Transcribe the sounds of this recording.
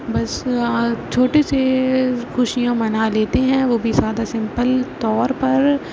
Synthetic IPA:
bɐs | t͡ʃʰoːʈesexʊʃijãmɐnaleːt̪eɦɛ̃ʋoːbʱizaːd̪asɪ̃mpəlt̪ɔːɾpɐɾ

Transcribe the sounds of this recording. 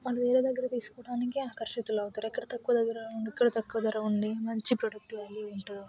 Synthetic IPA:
mɐɭːuʋeːɾe̞ːd̪ɐɡːɐɾɐt̪iːsu̥kɔːɽaːnikiaːkɐɾʂɐt̪ulɐwt̪aːɾikːɐɽɐt̪ɐkːuʋɐd̪ɐɡːɐɾɐuɳikːɐɽɐt̪ɐkːuʋɐd̪ɐɾɐuɳɖimɐɲt͡ʃipɾoɖɐk̚ʈʋaːlːieɳʈuu

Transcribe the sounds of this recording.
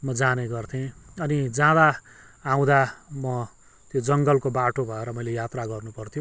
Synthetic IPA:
mʌd͡zaneɡʌrt̪ʰĩʌnid͡zãd̪aː | w̃d̪amʌ | t̪jod͡zʌŋɡʌlkobaʈobʱʌeɾʌmʌjlejat̪raɡʌrnupʌrt̪ʰijo

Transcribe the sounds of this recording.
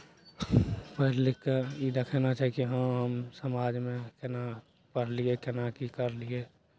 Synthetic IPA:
pəɦlekeid̪ekʰɛnat͡ʃaːɦikiɦəɦəmsəmaːd͡ʒmẽkɪna | pəɽ̤liekɪnakikəɾlie

